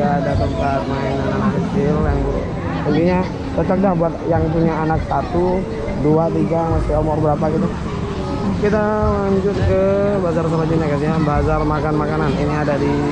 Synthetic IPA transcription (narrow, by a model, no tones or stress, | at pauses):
adat̪ək̚pat̪̚maiŋananakət͡ʃɪljaŋbuɾ̰ | munt̪iɲa | dat̪əkdlahbuat̪̚jaŋpuɲaːnak̚sat̪u | duat̪iɡamasɪomɔrbəɾapakit̪u | kit̪alaɲd͡ʒʊt̪̚kəbazars̬əmad͡ʒinakatiɲabazarmakanmakananiniadadi